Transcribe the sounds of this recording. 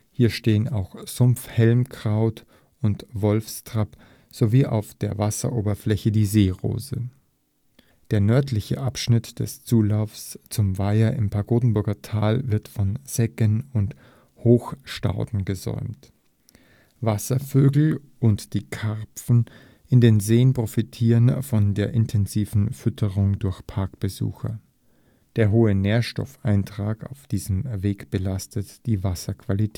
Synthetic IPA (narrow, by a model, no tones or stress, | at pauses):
hiːɐʃteːəna̰ʊxz̥ʊmfhɛlmkʁ̥aʊt | ʊntvɔlfstʁ̥ap | z̥oviːʔa̰ʊfd̥eːɐvasɐ̰ʔoːbɐflɛçədiːzeːʁo̰ːzə | d̥eːɐnœɐtʰlɪçə̰ʔapʃnɪtd̥ɛ̰st͡suːlaʊfst͡sʊmvaɪɐʔɪmpʰaɐɡoːdn̩bʊɐɡɐtʰaːlvɪɐtfɔnz̥ɛkənʊnt | hoːxʃta̰ʊdn̩ɡəzɔ̰ʏmt | vasɐføːɡl̩ | ʊntd̥iːkʰɛʁpp͡fn̩ | ʔɪndeːnzeːənpʁ̥ofitʰiːʁənfɔndeːɐʔɪntʰɛnziːvn̩fʏtʰəʁʊŋdʊɐçpʰaɐkb̥əzṵːxɐ̰ | d̥eːɐɦoːəneːɐʃtɔ̰fʔaɪntʁ̥aːka̰ʊfd̥iːzəmveːkb̥əlastʰətd̥iːvasɐkv̥alitʰɛ